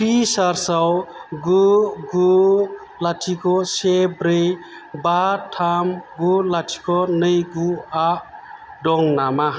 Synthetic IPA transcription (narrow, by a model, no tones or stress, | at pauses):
pisaɾsawɡuɡu | latʰikʰɔsebɾej | batʰamɡulatʰi̥kʰɔnɯjɡuaʔ | dɔŋnama